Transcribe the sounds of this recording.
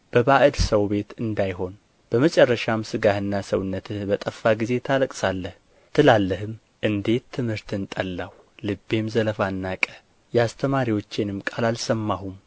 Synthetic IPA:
b̥əbaʔɨd̪səwbe̞t̪ɨnd̪ajɦo̞n | b̥əmət͡ʃʼɛrːəʃamsɨɡahɨnːasəwnːət̪ʰɨbət̪ʼəfːaɡize̞t̪ʰaləkʼsalːəh | t̪ʰɨlalːəɦɨm | ʔɨnd̪e̞tt̪ʰːɨmhɨɾt̪ɨnt̪ʼəlːaw | lɨbːe̞mzələfanːakʼə̥ | jɛast̪ʰəmaɾiwo̞t͡ʃːenɨmkʼalalsəmːahum

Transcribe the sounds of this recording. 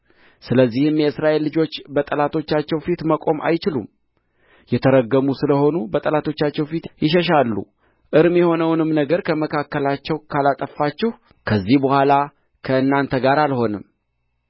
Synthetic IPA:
sɨləzːihɨmjɛɨsɾaʔe̞lːɨd͡ʒo̞t͡ʃːbət̪ʼəlat̪ʰo̞t͡ʃːat͡ʃːɛwfit̪məkʼo̞mʔa̰jt͡ʃɪlṵm | jɛt̪ʰəɾəɡːəmusɨləho̞nubət̪ʼəlat̪ʰo̞t͡ʃːat͡ʃːɛwfit̪jɪʃ̬ɛʃ̬alːṵ | ʔɨɾmjɛho̞nəwnɨmnəɡəɾkʰəməkʰakːəlat͡ʃːɛwkʰalat̪ʼəfːat͡ʃːɛh | kʰəzːihbəhʷala | kʰəɨnːant̪ʰəɡaɾalho̞nɨm

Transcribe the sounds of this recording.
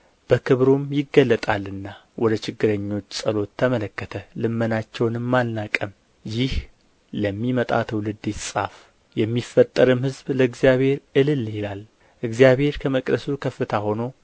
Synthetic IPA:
b̥əkʰɨβɾumjɪɡːəlːət̪ʼalɨnːa | wʔɔd̪ət͡ʃɪɡːɨɾəɲːo̞t͡ʃːsʼəlo̞t̪ʰːəmələkːət̪ʰəlɨmːənat͡ʃːɛwnɨmːalnakʼəm | jɪh | ləmːimət̪ʼat̪ʰəwlɨd̪ːessʼaf | jɛmːifːət̪ʼːəɾɨmhɨzbləɨɡzijaβe̞ɾʔɨlɨlːɪlal | ʔɨɡzijaβhe̞ɾkʰəməkʼd̪əsukʰəfːɨt̪ʰaho̞no̞

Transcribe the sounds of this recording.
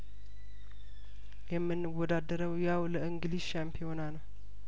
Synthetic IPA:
jɛmːɨnːɨwɔd̪ad̪əɾəwjawləʔɨŋɡɨlizʃampʰijo̞nanəw

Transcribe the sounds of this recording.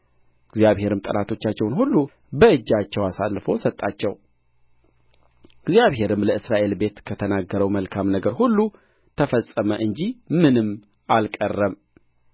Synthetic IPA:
ɡzijaβhe̞ɾɨmt̪ʼənat̪ʰo̞t͡ʃːat͡ʃːɛwnhulːu | bəɨd͡ʒːat͡ʃːɛwasalːfo̰sət̪ʼːat͡ʃːɛw | ɡzjaβɦe̞ɾɨmləɨsɾaʔe̞lbe̞t̪kʰət̪ʰənaɡːəɾəwməlkʰamnəɡəɾhulːu | t̪ʰəfəsʼəməʔɨɲd͡ʒimɨnɨmː | ʔalkʼərːəm

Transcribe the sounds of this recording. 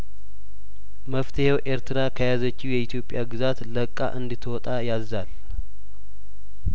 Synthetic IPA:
məft̪ʰəhewʔe̞ɾt̪ʰɨɾakʰəjazət͡ʃːiwjɛit̪ʰjo̞pʼːjaɡɨzat̪ləkʼːa̰ʔɨnd̪ɨt̪ʰwɔt̪ʼajazːal

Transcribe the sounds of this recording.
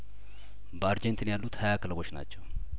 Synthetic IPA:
bəaɾd͡ʒɛnt̪ʰɨnjalːut̪hɐjakɨlbo̞t͡ʃːna̰t͡ʃːɛw

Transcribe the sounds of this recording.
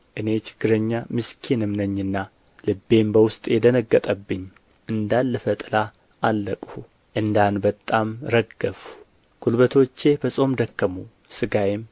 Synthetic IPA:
ʔɨne̞t͡ʃɪ̥ɡ̥ːɨɾəɲːamɨskʰinɨmnəɲːɨnːa | lɨbːe̞mbəwʊst̪ʼjɛd̪ənəɡːət̪ʼəbːɨɲː | ʔɨnd̪anːɨfət̪ʼɨla | ʔalːəkʼhu | ʔɨnd̪anbət̪ʼamɾəɡəfu | ɡ̥ulbət̪ʰo̞t͡ʃːe̞bəsʼo̞md̪əkːəmu | sɨɡajɪm

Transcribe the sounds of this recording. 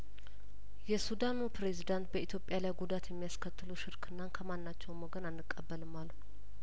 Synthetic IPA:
jɛsud̪anupɾe̞zid̪ant̪̚bəit̪ʰjo̞pʼːjalajɡud̪at̪jɛmːijaskʰət̪ːɨluʃɪɾkʰɨnːankʰəmanːat͡ʃːɛwmɔɡənanːɨkʼːəbːəlɨmːalː

